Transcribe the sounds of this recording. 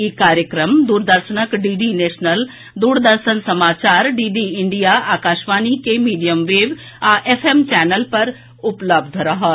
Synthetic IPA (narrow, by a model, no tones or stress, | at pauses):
ikaːɾjəkɾəmd̪uːɾd̪əɾʃənəkɖiːɖiːnɛːʃnəl | d̪uːɾd̪əɾʃənsɐmaːt͡ʃaːɾɖiːɖiːɪɳɖijaaːkaːʃʋaːnikemiːɖijəmʋeːʋ | aʔefʰemt͡ʃɛːnəlpɐɾ | ʊpləbd̪ʱɾɐɦa